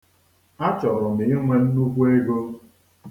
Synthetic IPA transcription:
a˦t͡ʃɔ˨ɾʊ˨m̩e˨ɲe˦ŋʷe˦n̩˦nu˦kʷu˦e˦ɡo˦

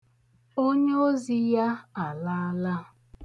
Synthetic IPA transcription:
o˦ɲe˦o˦zi˦ja˦a˨la˦la˦

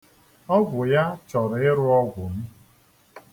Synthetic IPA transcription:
ɔ˦bʊ˨ja˦t͡ʃɔ˨ɾɪ˦ɾʊ˦ɔ˦ɡʷʊ˨m̩˦

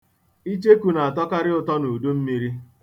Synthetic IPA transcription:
i˦t͡ʃe˦ku˨na˨a˨tɔ˦ka˦ɾɪ˦ʊ˨tɔ˦nu˨du˦m̩˦mi˦ɾi˦

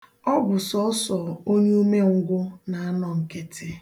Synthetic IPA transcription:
ɔ˦bʊ˨sɔ˦sɔ˨o˦ɲe˦u˦me˦ŋ̩˦ɡʷʊ˦na˨a˦nɔ˨ŋ̩˨ke˦tʰɪ˦

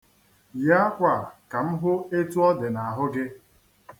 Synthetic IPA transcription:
ja˦kʷa˨ka˨m̩˦ɦʊ˦e˦tu˦ɔ˦dɪ˨na˨ɦʊ˦ɡɪ˦

